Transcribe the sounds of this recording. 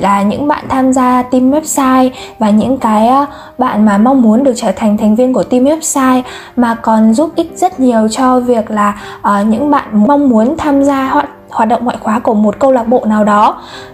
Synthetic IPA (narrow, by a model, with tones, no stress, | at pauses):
laː˨˩ɲɨ̰˧˥ŋɓa̰ː˧˨nt̪ʰaː˧mzaː˧t̪i˧mwɛ˦˥p̚saː˧jvaː˨˩ɲɨ̰˧˥ŋkaː˨˦jʔ | ɓa̰ː˧˨nmaː˨˩ma˧wŋ͡mmu˨˦ənɗɨ˨˩ək̚t͡ɕəː˧˩t̪ʰa˨˩jŋ̟t̪ʰɛ˨˩ŋ̟vi˧ənku˧˩ət̪i˧mhɛ˦˥p̚saː˧j | maː˨˩kɔ˨˩nzu˦˥p̚ʔi˦˥k̟̚zə˦˥t̚ɲi˨˩əwt͡ɕɔ˧vi˨˩ək̚laː˨˩ | ʔəː˨˩ɲɨ̰˧˥ŋɓa̰ː˧˨nm˧wŋ͡mmu˨˦ənt̪ʰaː˧mzaː˧hwaː˨˩t̚hwaː˨˩t̚ɗə̰˧˨ŋ͡mŋa̰ː˧˨xwaː˨˦ku˧˩əmo˨˩t̚kə˧wlaː˨˩k̚ɓo̰˧˨naː˨˩wɗɔ˨˦